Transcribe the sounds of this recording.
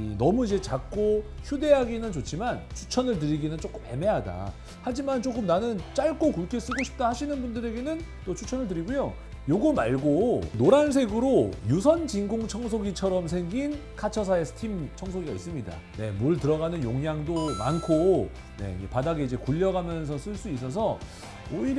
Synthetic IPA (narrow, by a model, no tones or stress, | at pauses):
nʌmuid͡ʑe̞t͡ɕak̚k͈oçude̞ɦaɡinɯnt͡ɕot͡ɕʰimant͡ɕʰu̥t͡ɕʰʌnɯɭtɯɾiɡinɯnt͡ɕ͈ok͈ɯmḛme̞ɦada̰ | had͡ʑimant͡ɕ͈ok͈ɯmnanɯnt͡ɕ͈aɭk͈okuɭkʰes͈ɯɡoɕʰi̥p̚t͈ahaɕʰinɯnbundɯɾe̞ɡe̞nɯn | t͈ot͡ɕʰu̥t͡ɕʰʌnɯɭtɯɾiɡujo | joɡɯmaɭɡonoɾans̬ʰe̞ɡɯɾojus̬ʰʌnt͡ɕiŋɡoŋt͡ɕʰʌŋsʰoɡit͡ɕʰʌɾʌmsʰe̞ŋɡinkʰat͡ɕʰʌs̬ʰae̞sʰɯ̥tʰimt͡ɕʰʌŋsʰoɡiɡais͈ɯmɲida̰ | ne̞̰muɯɭtɯɾʌɣanɯnjoŋjaŋdoma̰nkʰo | ne̞̰d͡ʑepadaɡeid͡ʑe̞kuʎːʌɡamjʌns̬ʰʌs͈ɯɭs͈uis̬͈ʌs̬ʰʌ | oiɾ